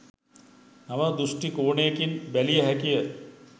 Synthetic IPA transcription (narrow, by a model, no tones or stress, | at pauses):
naməd̪uʂʈikoːɳejekinbælijəɦækijə